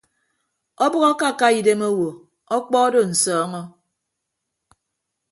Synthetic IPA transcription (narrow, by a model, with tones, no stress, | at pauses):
ɔ˦bɔ˦ɣɔ˦ka˦˨ka˦i˨de˦mo˦wo˨ | ɔ˦k͡pɔ˦do˦˨n̩˨sɔː˦ŋɔ˦